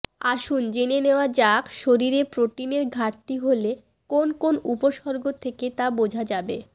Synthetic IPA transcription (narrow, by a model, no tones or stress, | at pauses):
aʃund͡ʑeneneoad͡ʑakʃoɾiɾepɾoʈineɾɡʱaʈʈ̪iɦole | konkonupoʃɔɾɡot̪ʰeket̪abod͡ʑʱad͡ʑabe